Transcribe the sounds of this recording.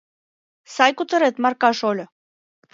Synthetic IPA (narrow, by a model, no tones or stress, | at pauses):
sɑjkut̪ə̆ɾet̪mɑrkɑʃolʲ